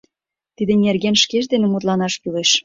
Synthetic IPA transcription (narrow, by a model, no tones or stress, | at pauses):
t̪id̪ĕnʲerɣenʃkeʃ̬d̪enĕmut̪lɑnɑʃkyleʃ